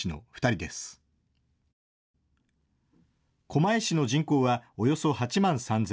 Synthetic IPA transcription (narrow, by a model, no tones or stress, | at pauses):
ino̞̰ɸɯ̥t̪aɾʲid̪esɨ̥ | kʰo̞maiɕino̞ʑĩŋko̞ːβao̞jo̞so̞hat͡ɕimãɰ̃sãnz